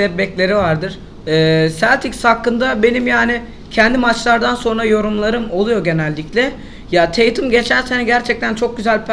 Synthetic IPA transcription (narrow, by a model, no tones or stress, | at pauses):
ɛbɛclʲe̞ɾivaɾd̪ɯɾ̥ | ɛːsælʲt̪ʰicsakːɯnd̪abe̞nimjaːnɪ | cʰɛnd̪imat͡ʃlˠaɾd̪anso̞nɾajo̞ɾumlˠaɾɯmo̞lˠujo̞ɟe̞nɛlʲːiclʲɛ | jat̪ʰejt̪ʰɯmɟe̞t͡ʃʰænsenɛɟæɾt͡ʃʰɛc̚t̪ʰænt͡ʃʰo̞k̚ɟyzælʲpʰ